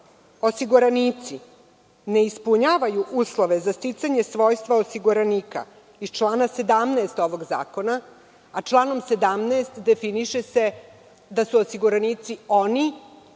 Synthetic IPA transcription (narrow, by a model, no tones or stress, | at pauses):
o̞siɡuɾaniːt̪si | ne̞ispuɲaːʋajuʔuːslˠo̞ʋe̞zast̪it̪saɲe̞sʋo̞jst̪ʋaosiɡuɾaniːka̰ | ist͡ʃlˠaːnase̞d̪amnaːst̪o̞ʋo̞ɡza̰ːko̞na | at͡ʃlˠaːno̞mse̞d̪amneːst̪d̪e̞finiʃese̞ | d̪asuosiɡuɾaniːt̪sio̞ni